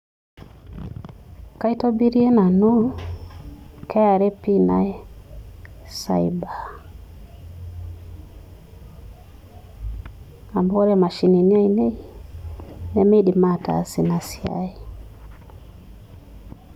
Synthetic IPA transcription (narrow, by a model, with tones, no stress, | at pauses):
ka˦i˦tɔ˦bi˦ɾi˦e˦na˨nu˦ | kɛ˦a˨ɾɛ˦pi˦na̰˨ɛ˦ | sa̰˨i˨ba˨ | a˨mbɔ˦ɾɛ˦ma˨ʃi˨ni˨ni˦a˦i˨ne˦i˨ | nɛ˦mɛ˦ɗi˨ma˦˨ta̰˨si˨na˨si˨˦a̰˨i˨